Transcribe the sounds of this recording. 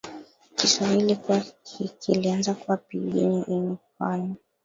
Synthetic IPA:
kiswahilikuaikilianzakuwapiɡḭniʔinifanɔ

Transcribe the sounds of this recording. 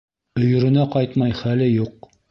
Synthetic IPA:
ɵ̆jɵ̆ɾɵ̆næqɑjt̪mɑjχælɘjuq̚

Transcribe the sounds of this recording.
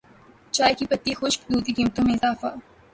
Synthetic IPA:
t͡ʃaːjkipɐt̪ːixʊʃkd̪uːt̪ikiːmt̪õmẽɪzaːfa

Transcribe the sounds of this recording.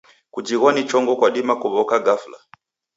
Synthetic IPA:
kud͡ʒiɣwanit͡ʃɔŋɡɔkwaɗimakuβɔkaɡafla

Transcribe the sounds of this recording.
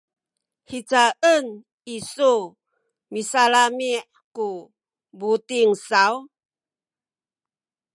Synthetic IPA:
hit͡saʔən | isu | misalamiʔ | ku | butiŋsaw

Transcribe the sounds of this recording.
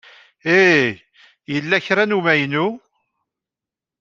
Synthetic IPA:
e | jəlːæçɾænumæjnu

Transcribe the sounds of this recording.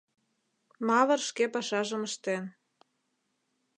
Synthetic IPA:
mɑβɤ̆rʃkepɑʃɑʒəməʃt̪en

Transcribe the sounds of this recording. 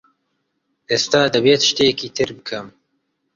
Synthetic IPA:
ʔest̪aːd̪ɐbeːt̪ʰɨ̥ʃt̪eːɛkiːt̪ʰɨɾbɨkʰɨm

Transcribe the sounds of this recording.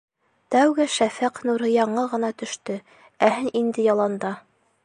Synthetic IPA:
t̪æwɡɘʃæfæqnuɾɤjɑɴɤʁɤ̆nɑt̪ɵ̆ʃt̪ɵ | æhɘnʔind̪ɘjɑlˠɑnd̪ɑ

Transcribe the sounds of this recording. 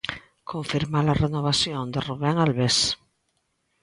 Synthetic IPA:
kʰõɱfiɾmalarenoβ̞asjõnd̪eruβaŋalβes

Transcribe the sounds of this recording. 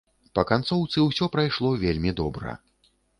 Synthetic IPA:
pɐkant̪sɔwt̪sɨwsʲɔpɾajʂlˠɔvʲelʲmʲid̪ɔbɾɐ̰

